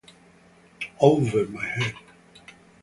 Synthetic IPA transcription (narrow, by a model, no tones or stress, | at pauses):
oʊvəmaɪhɛd̥